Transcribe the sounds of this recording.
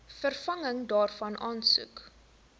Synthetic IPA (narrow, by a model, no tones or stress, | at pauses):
fərfɐŋəŋdɑːrfɐnʔɑːnsṵk